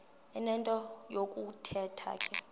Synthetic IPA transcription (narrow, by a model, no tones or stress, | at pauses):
ɛnɛntʼɔjokʼutʰɛtʰa̰kʼɛ